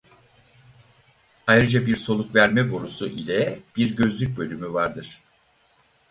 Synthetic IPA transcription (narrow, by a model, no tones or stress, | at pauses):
ajɾɯd͡ʒabiɾso̞lˠukvæɾmɛboɾusuʔilʲɛb̥iɾɟø̞zlʲyc̚bølʲymyvaɾd̪ɯɾ̝̥